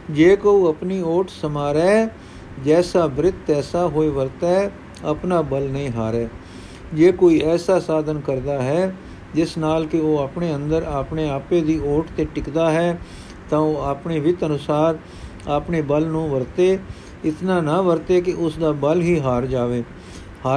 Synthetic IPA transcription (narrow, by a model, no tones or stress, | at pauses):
d͡ʒeːkoːiːəpniːoːʈʰsəmaːɾɛː | d͡ʒɛːsaːbɪɾɪt̪ɛːsaːɦoːiːʋəɾt̪aɛ | əpnaːbəlnəĩːɦaːɾɛː | d͡ʒeːkoːiːɛːsaːsaːd̪ənkəɾd̪aːɦɛː | d͡ʒɪsnaːlkɪoːaːpɳeːənd̪əɾaːpneːaːpeːd̪iːoːʈt̪eːʈɪkd̪aːɦɛː | t̪ãːoːaːpɳeːʋɪt̪ənʊsaːɾ | aːpneːbəlnũːʋəɾt̪eː | ɪt̪nãːnãːʋəɾt̪eːkɪʔʊsd̪aːbəlɦiːɦaːɾd͡ʒaːʋeː | haː